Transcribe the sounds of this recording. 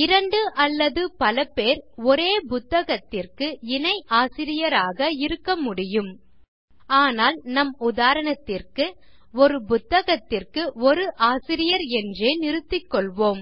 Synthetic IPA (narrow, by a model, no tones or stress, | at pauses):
ɪɾɐɳɖɯʔɐlːɐðɯpɐlɐpeːɾɔɾeːbʊt̪ːɐɣɐt̪ːɪrkɯɪnɐɪʔaːsɪɾɪjɐɾaːɣɐɪɾɯkːɐmʊɽɪjɯm | aːnaːlnɐmʊðaːɾɐɳɐt̪ːɪrkɯ | ɔɾɯbʊt̪ːɐɣɐt̪ːɪrkɯɔɾɯʔaːsɪɾɪjɐɾɛndreːnɪɾɯt̪ːɪkːɔɭʋoːm